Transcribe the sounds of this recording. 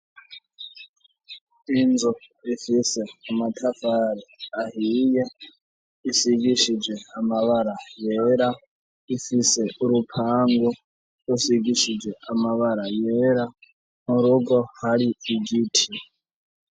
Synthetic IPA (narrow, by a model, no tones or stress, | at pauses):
ind͡zɔ | ifisɛamatʰafaɾɛaɦija | isiɡiʃid͡zʷwɛamaβaɾajɛɾa | ifisɛɾupʰaŋɡɔ | usiɡiʃid͡zwɛamaβaɾajɛɾa | muɾuɡɔhaɺiːɡiːtʰi